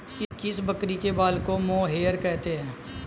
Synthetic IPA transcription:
ɪkɪsbəkɾikebaːlkomõːɦeːəɾkɛɦt̪eɦɛ̃ː

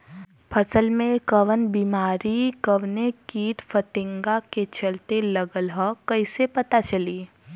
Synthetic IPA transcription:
pʰɐsəlmẽkɐʋənbiːmaːɾikəʋnekiːʈfʰət̪ɪ̃ŋɡaket͡ʃɐlt̪elɐɡəlɦɔkɐisepɐt̪at͡ʃɐliː

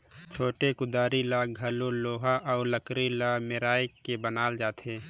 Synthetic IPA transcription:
t͡ʃʰoːʈekʊd̪aːɾilaɡʱɐlõloːɦaʔɔːɾləkɾilameɾaːjkebənaːld͡ʒaːt̪ẽː

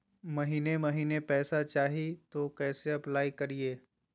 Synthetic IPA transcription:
mɐɦiːnemɐɦiːnepɛːsat͡ʃaːɦit̪okɛːseɐplaːikɐɾieː

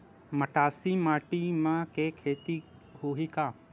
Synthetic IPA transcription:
məʈaːsimaːʈimãkeːkʰeːt̪i | ɦoːɦikaː

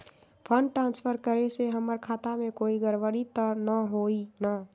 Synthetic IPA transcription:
pʰə̃ɳɖʈɾãːnspʰəɾkəɾeseɦəməɾkʰaːt̪amẽkoːiɡəɾʋəɾit̪əɾnəɦoːina

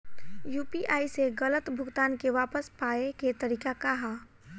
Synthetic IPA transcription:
juːpiʔaːiseɣɐlət̪bʱʊɡt̪aːnkeʋaːpəspaːeket̪ɐɾiːkakaɦaː

